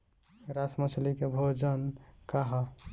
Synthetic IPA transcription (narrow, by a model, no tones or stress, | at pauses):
ɾasmət͡ʃʰlikebʱod͡ʒənkaɦa